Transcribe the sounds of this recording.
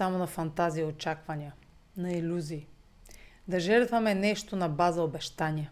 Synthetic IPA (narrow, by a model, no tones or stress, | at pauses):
amonɐfɐnt̪aziɐot͡ʃakvɐniə | nɐilʲuziː | d̪ɐʒɛɾt̪vɐmɛnɛʃt̪onɐbazɐobɛʃt̪anʲiə